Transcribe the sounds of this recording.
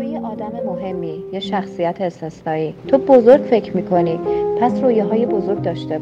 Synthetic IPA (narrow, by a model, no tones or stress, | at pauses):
ejeʔɒːd̪æme̞moɦe̞mːiːjeʃæxsijæt̪ʰeːst̪e̞snɒːiːt̪ʰobo̞zo̞ɾɡ̥fe̞cʰɾmiːkʰo̞niːpʰæsroːjeɦɒːjebo̞zo̞ɾɡ̚d̪ɒːʃt̪e